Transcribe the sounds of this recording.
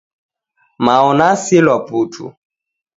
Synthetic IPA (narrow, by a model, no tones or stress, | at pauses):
maɔnasilwaputʰṵ